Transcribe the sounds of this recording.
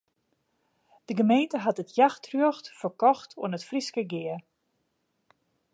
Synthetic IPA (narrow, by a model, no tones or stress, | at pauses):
d̥əɡəmejntəɦatətjaxtʰrøəxtfərkɔxtʰṵənətfriskəɡɪə